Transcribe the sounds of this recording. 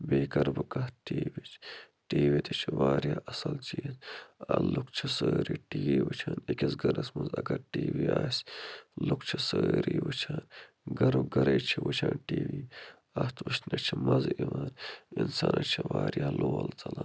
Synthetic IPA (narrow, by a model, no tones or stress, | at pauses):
beːkɐɾbɨkɐhʈiːʋit͡ʃʰ | ʈiːʋit̪it͡ʃʰiʋaːɾjaːʔɐsɐlt͡ʃiːzɐlukt͡ʃʰisəːɾiːʈiːiːʋɨt͡ʃʰaːnikʲisɡɐɾɐsmɐnzɐɡɐɾʈiːʋiaːslukt͡ʃʰisəːɾiːʋɨt͡ʃʰaːn | ɡɐɾuɡɐɾɐjt͡ʃʰiʋɨt͡ʃʰaːnʈiːʋiː | ɐht̪ʋɨʃnɐt͡ʃʰimɐziʋaːninsaːnʔɐt͡ʃʰiʋaːɾjaːloːɐlt͡s̪ɐla